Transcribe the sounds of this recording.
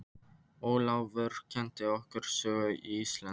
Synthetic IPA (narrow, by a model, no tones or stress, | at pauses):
ɔːlaːwvʏɾ̥cʰɛnt̪ɪɔhkʏɾ̥sœːɣʏʔiist̪la